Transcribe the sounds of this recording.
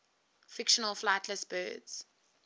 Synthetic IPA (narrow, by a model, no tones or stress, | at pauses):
fɪkʃənəlflaɪtʰləsb̥ɜ̰ːdz̥